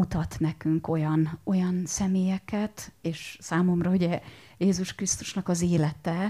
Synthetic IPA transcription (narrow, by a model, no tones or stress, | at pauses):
ut̪ɒt̪nɛkyŋko̞jɒno̞jɒnsɛmeːjɛkɛt̪eːʃsaːmo̞mrɒuɟɛjeːzuʃkrist̪u̥ʃnɒkɒzeːlɛt̪ɛ